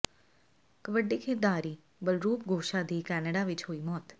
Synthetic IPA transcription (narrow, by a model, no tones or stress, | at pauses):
kəʋəɖikʰɪɾd̪aːɾiː | bəlɾuːpɡʱoːʃaːd̪iːkɛːnəɖaːʋɪt͡ʃɦoːiːmɔːt̪